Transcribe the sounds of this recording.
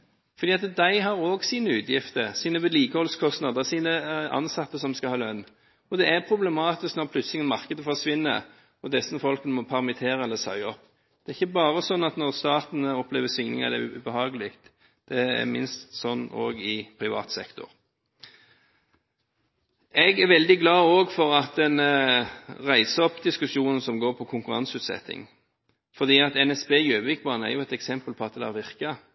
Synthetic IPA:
fɔɾd̪iːɑt̪d̪æɪɦɑɾoːɡsiːnəʉːd̪jɪft̪əɾsiːnəʋɛliːkəhɔlskʰɔst̪nɑːd̪əsiːnəɑ̰nsɑt̪ːəsɔmskɑhɑːlœnː | ɔd̪ɛæɾpʰʁʊblɛmɑːt̪ɪsknɔʁpʰlʉt̪slɪŋənmɑʁkəd̪əfɔʁsʋɪnːə̰ | ɔd̪ɛsnəfɔlkənəmɔpʰæʁmɪt̪ʰeːʁəɛlːəsœ̰ʏɔp | d̪̥ɛæʁɪçːəbɑːʁəsɔnːɑt̪nɔʁst̪ɑːt̪nəɔpleːʋəsʏŋnɪŋɑ̰d̪ɛʉ̰bəhɑːɡəlɪkt̪ | d̪̥ɛæ̰mɪnst̪sɔnːo̰ːɡɪpʰɾɪʋɑ̰ːt̪sɛ̰kt̪ʊ̰ɾ | ɛɡæʋɛld̪ɪɡlɑːoːɡfɔɾɑt̪̚d̪ɛn | ʁæɪsəɔpd̪ɪskʉsjuːnən̩sɔmɡoːɾpʰɔkʰʊŋkʉɾɑ̰nsʉːt̪sɛ̰t̪ːɪ̰ŋ | fɔd̪iːɑt̪ɛnɛsbeːjøːʋʋɪk̚bɑːnəæ̰ɾjʊɛt̪ɛksɛmpəlpʰɔɑt̪̚d̪ɛd̪ɛæɾʋɪʁkɑ

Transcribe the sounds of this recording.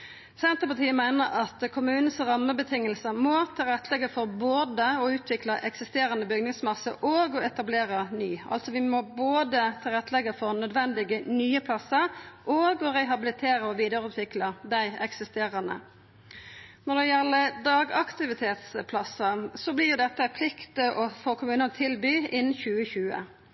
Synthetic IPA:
sɛnt̪ʁəpɑt̪ʰiːəmæɪnəɾɑt̪kʰʊmʉːnn̩sʁɑmːəbət̪ʰɪŋːəlsəmɔt̪ʰɪlʁɛt̪ːəlɛɡəfɔɾboːd̪əɔʉːt̪ʰʋɪklɑʔɛksɪst̪eːʁənəbʏɡnɪŋsmɑsəʔoːɡɔɛt̪ɑbleːɾənyːɑ̰lt̪sɔʋɪmɔboːd̪ət̪ʰɪlʁɛt̪ːəlɛɡəfɔʁnœd̪ʋɛnd̪ɪɡənyːəpʰlɑsəɾʔoːɡɔɾɛɦɑbɪlɪt̪ʰeːɾəɔʋiːd̪əɾʉːt̪ʰʋɪklɑd̪æɪɛksɪst̪eːʁɑnə̰ | nɔʁd̪ɛjɛlːəd̪ɑːɡɑkt̪ɪʋɪt̪ʰeːt̪spʰlɑsəsɔblɪʁjʊd̪ɛt̪ːəpʰlɪkt̪əʔɔfoːkʰʊmʉːnənt̪ʰɪlbyːɪnːn̩çʉːəçʉːə̰

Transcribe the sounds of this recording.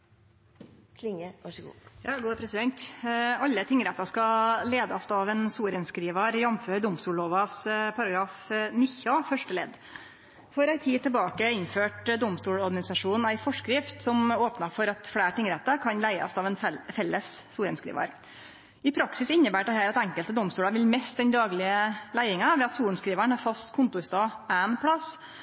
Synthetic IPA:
lɪŋəʋɑʂɡṵːjɑɡuːpʰɾɛsɪd̪ɛnt̪ɑlːət̪ʰɪŋːɾɛt̪ːɑskɑleːd̪ɑst̪ɑʋɛnsuːɾənskɾiːʋɑɾjɑmføːɾd̪ɔmst̪uːlɭoːʋɑspʰɑɾɑɡɾɑːfnɪçɑfœʂʈəlḛːd̪ | fɔɾæɪt̪ʰiːt̪ʰəlbɑːkəɪnføːʈd̪ʊmst̪uːɽɔɾɡɑnɪsɑʂuːn̩æɪfɔʂkɾɪft̪sɔmoːpnɑfɔɾɑt̪fɽæːʈɪŋɾɛt̪ːəkʰɑnlæɪɑ̰sɑːʋɛnfɛlːəsːuːɾənskɾḭːʋɑ̰ɾ | ɪpʰɾɑksɪsɪnːəbæːʈd̪ɛhæːɾɑt̪ɛŋkəlt̪əd̪ɔmst̪uːlɽɑʋɪlmɛst̪̚d̪ɛnd̪ɑːɡlɪəlæɪɪŋɑʋɛːɑt̪suːɳ̩skɾiːʋæɳhɑːɾfɑst̪kʰʊnt̪ʊst̪ɑːænpʰɽɑs

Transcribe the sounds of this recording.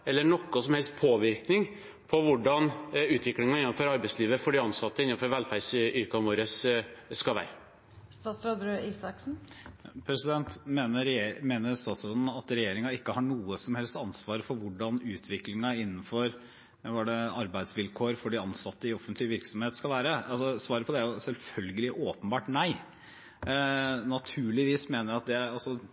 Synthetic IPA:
ɛlːəɳɔkːɔsɔmhɛlst̪̚pʰoːʋɪɾknɪŋ | pʰɔʋʊɖɑnʉːt̪ʰʋɪklɪŋɑɪnːɑnfɔɾɑɾbæɪsliːʋəfɔɖɪɑnsɑt̪ːəɪnːɑfɔɾʋɛlfæɖsʏɾkɑmuːɾəsːkɑlʋæ̰ːɾə | st̪ɑːt̪sɾɔd̪ɾøːiːsɑksn̩pʰɾɛsɪd̪ɛnt̪meːnəɾmeːnəɾst̪ɑːt̪sɾɔnn̩ɑt̪ɾɛjeːɾɪŋɑɪkːəhɑɳuːəsɔmhɛlst̪ɑnsʋɑːɾəfɔɾʋʊɖɑnʉːt̪ʰʋɪklɪŋɑɪnːnfɔɾ | ʋɑɖɛɑɾbæɪd̪sʋɪlkʰoːɾfɔɖiɑnsɑt̪ːəɪɔfːənt̪lɪʋɪɾksɔmheːt̪skɑlʋæːɾəɑsɔsʋɑːɾəpʰɔd̪ɛæɾjʊsɛlfœlɡəlɪʔoːpənbɑːʈnæɪ | nɑt̪ʰʉːɭɪʋiːsmeːnəɾɑt̪̚d̪ɛæɾɑlsɔ

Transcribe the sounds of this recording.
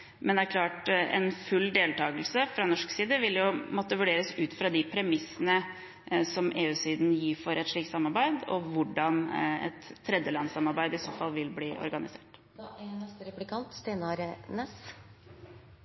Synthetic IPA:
mɛnd̪ɛæɾkʰlɑːʈɛ̰nfʉld̪eːlt̪ʰɑːɡəlsəfɾɑnɔʂksiːd̪əʋɪljʊmɔt̪ːəʋʉɖeːɾəsʉːt̪fɾɑd̪ɪpʰɾɛmɪsːənə | sɔmʔeːʉːsiːd̪njiːfɔɾʔɛt̪ʂɭiːkt̪sɑmːɑɾbæɪd̪ɔ̰ʋʊɖɑnɛ̰t̪ʰːɾɛd̪jəlɑnsɑmɑɾbæɪd̪əɪsoːfɑlːʋɪlbliːʔɔ̰ɾɡɑnɪseːʈ | d̪ɛnɛst̪əɾɛplɪkʰɑnt̪st̪eːnɑɾənɛs

